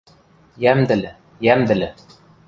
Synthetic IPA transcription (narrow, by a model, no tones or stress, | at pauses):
jæmd̪ɘ̆lɘ | jæmd̪ɘ̆lɘ